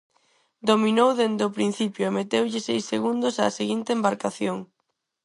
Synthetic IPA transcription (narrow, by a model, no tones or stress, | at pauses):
d̪ominowðend̪ʊpɾin̟θipjʊemet̪ewʎɪsejseɣund̪ʊsa̰ːseɣint̪eːmbaɾkaθjoŋ